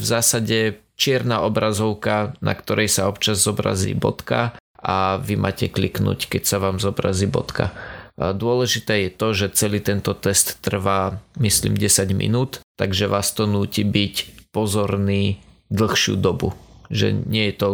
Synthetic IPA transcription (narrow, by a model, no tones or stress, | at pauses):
vzaːsaɟɛ | t͡ʃɪɛɾnaːʔɔbɾazɔʊkana̰kt̪ɔɾʔɛjsaɔpt͡ʃazːɔbɾa̰zḭːbɔ̰t̪kaʔaʋimʔa̰ːcɛkliknṵːckɛcsaʋaːmzɔbɾa̰ziːbɔ̰t̪ka̰d̪ʊɔlɛʒit̪ɛːjɛt̪ɔʒɛt͡sɛliːt̪ɛnt̪ɔt̪ɛst̪ːr̩ʋaːmislḭːmɟɛsaɟmḭnuːt̪ːaɡʒɛʋaːst̪ɔnuːciːbicpɔzɔɾniːd̪l̩xʃɪṵːd̪ɔbṵʒɛ̰ɲɪɛjɛt̪ɔ